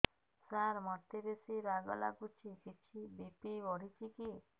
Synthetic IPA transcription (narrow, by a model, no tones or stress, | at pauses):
saɾmɔɾt̪eɾesiɾaɡɔ̰la̰kut͡ʃʰikʰit͡ʃʰibepiɔɽit͡ʃʰiki